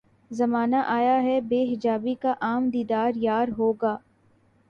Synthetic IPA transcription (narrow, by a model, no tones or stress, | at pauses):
zɐmaːnaʔaːjaɦɛbeːɦɪd͡ʒaːbikaʔaːmd̪iːd̪aːɾjaːɾɦoːɡaː